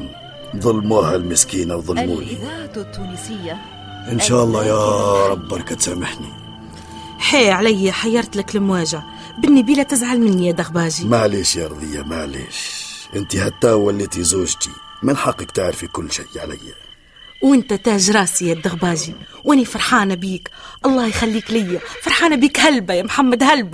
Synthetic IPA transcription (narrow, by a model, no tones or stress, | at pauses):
nðˤɑlːmuhælməskinawðˤəlːmunit̪t̪ːunsɪjːa | ʔənʃæʔɑlˤːɑjɑɾˤɑbːɑɾkæt̪sæmaħnḭ | ħeʕlæjːaħɑjːɑɾˤt̪ləkləmwæːʒa | bənːibilæt̪ɪzʕalmənːijæd̪ɑɣbɑːʒimaʕliʃjɑɾˤd̪ˤəjːamaʕlḭʃʔɪnt̪ihat̪ːæwælːit̪izuʒt̪i | manħɑqːəkt̪aʕɾfikʊlːʃajʕalɪ̰jːa | wʔɪnt̪æt̪æːʒɾˤɑːsijad̪aɣbɑːʒi | wʔæːnifɑɾˤħɑːnabiːkʔɑlˤːɑːhjxælːiːklɪjːafɑɾˤħɑːnabiːkhalbajamħamːad̪halb